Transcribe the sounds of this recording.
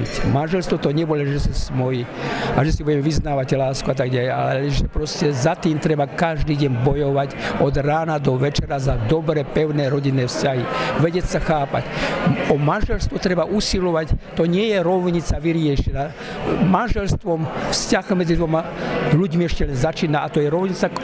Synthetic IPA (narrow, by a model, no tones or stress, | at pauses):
tmanʒɛlst̪ʋɔt̪ɔɲɛbɔlɛʒɛsasmɔji | aʒɛsibuɟɛmɛʋiznaːʋaclaːskuat̪aɡɟalɛja̰lɛɛʒɛpɾɔscɛzat̪iːmt̪ɾɛbakaʒd̪iːɟɛɲbɔjɔʋacɔd̪ɾaːnad̪ɔʋɛt͡ʃɛɾazad̪ɔbɾɛːpɛʊnɛːɾɔɟinːɛːfscaɦiʋɛɟɛsaxaːpa̰cɔmanʒɛlst̪ʋɔt̪ɾɛbaʔusilɔʋact̪ɔɲɪɛjɛɾɔʊɲit͡saʋiɾɪɛʃɛna | manʒɛlst̪ʋɔmfscaɣmɛd͡zid̪ʋɔmaʎuɟmiɛʃcɛlɛnzat͡ʃiːnaʔat̪ɔjɛɾɔʊɲit͡sa